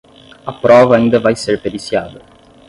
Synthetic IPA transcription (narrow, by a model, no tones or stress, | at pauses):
apːɾɔːvaind̪əvajseɾped̪isjaːvə